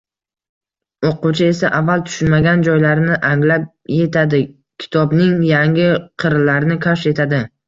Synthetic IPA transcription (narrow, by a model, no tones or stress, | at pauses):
oqʊt͡ʃʰɪe̞saʔavːalˠt̪ʰʊ̥ʃʊnmaɡʲand͡ʒɒjlaɾɪnɪʔaŋlap̚je̞t̪ʰad̪ɪ | kʲʰɪ̥t̪ʰɒbnɪŋjaŋʲɪqʰɨɾlaɾɪnɪkʰaʃe̞t̪ʰad̪ɪ